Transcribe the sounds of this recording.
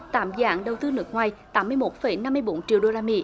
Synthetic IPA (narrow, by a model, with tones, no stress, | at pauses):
t̪a̰ː˧˦mza̰ː˧˨˦ŋɗə˨˩wt̪ɨ˧nɨ˨˥ək̚ŋwaː˨˩jt̪aː˨˦mːɨ˧əjmo˨˦˥t̚fə˨˩˦jna˧mː˧əjɓo˨˦nt͡ɕḭ˧˨əwɗo˧laː˧mḭ˧˥